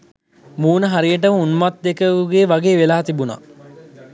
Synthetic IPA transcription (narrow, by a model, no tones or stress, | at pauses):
muːnəɦaɾijəʈ̬əməunmat̪̚d̪ekəʋuɡeːʋaɡeːʋelaːt̪ibuna̰